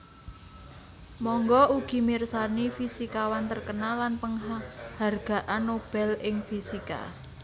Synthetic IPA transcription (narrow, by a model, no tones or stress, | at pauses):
mɔŋɡɔuɡ̥i̤mirsanifisikawant̪ərkənalːanpəŋɦharɡ̥a̤ʔanːob̥ɛ̤lɪŋfisika̰